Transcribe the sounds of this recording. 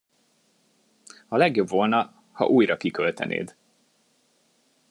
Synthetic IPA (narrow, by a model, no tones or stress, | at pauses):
hɒlɛɡjo̞bvo̞lnɒ | hɒ̰ʔuːjrɒkikølt̪ɛ̰nʔḛːd̪